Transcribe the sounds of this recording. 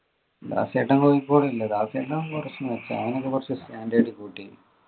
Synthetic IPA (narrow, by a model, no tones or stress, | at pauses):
d̪a̰ːseːʈːɐŋkojikːoɽeilːɐd̪aːseːʈːɐŋkurɐt͡ɕːumʋet͡ɕːɐɐ̰ʋɐnokːekurɐt͡ɕːesʈaːndeːɽikuːʈːi